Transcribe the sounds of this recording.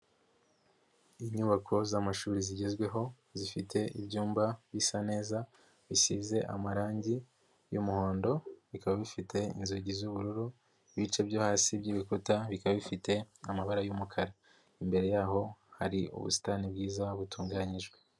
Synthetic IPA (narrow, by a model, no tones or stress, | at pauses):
iɲuβakʰo̞zamaʃuːɾiziɟe̞zɡwe̞ɦo̞ | zifitʰe̞ibɟuːmbaβisane̞ːza | βisize̞ʔa̰maɾaːɲɟi | jumuho̞ːndo̞βikaβaβifitʰe̞ḭnzoɟizuβuɾuɾu | βit͡ʃe̞bjoːhaːsibɟiːβikutaβikaβaβifite̞amaβaɾajumukʰaɾa | imbe̞ɾe̞jaːɦo̞haɾiʔṵβṵsi̥tanibɡiːzaβutuːŋɡaːɲiʒɡwe̞